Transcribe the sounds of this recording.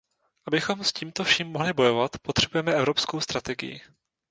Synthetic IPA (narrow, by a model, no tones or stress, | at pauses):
ʔabɪxo̞msciːmt̪o̞fʃiːmːoɦlɪbo̞jo̞vat̪pot̪r̝̥ɛbujɛmɛɛvɾo̞psko̞wst̪ɾat̪ɛɡɪ̰jɪ̰